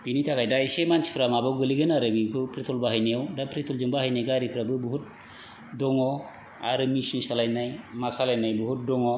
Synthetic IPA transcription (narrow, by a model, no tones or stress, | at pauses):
b̥initʰakajdaisemansi̥pʰɾamabawɡəliɡɯnaɾabikɯpʰɾit̪ʰɔlbaɦajniawdapɾit̪ʰɔld͡ʒɔmbaɦajneɡaɾipʰɾabɯbuɦut̚ | dɔŋɔ | a̰ɾɯmisnusalajnajmasalajnajbuɦut̚dɔŋɔ